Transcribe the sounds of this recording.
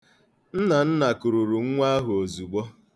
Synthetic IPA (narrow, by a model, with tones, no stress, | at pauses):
n̩˦na˨n̩˦na˨ku˨ɾu˨ɾu˨ŋ̩˦ŋʷa˦ɦʊ˨o˨zu˨ɡ͡bɔ˦